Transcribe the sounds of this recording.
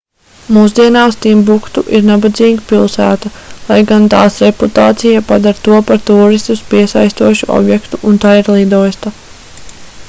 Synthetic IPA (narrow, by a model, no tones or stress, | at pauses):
muːz̬d̪iɛnaːst̪imbukt̪uʔiɾnabad̪ziːɡipilˠsæːt̪alˠajɡant̪aːsɾɛput̪aːt̪sijapad̪aɾt̪uɔpaɾt̪uːɾist̪uspiɛsajst̪uɔʃuɔ̰bjɛkt̪uʔunt̪aːiɾlˠid̪ɔjst̪a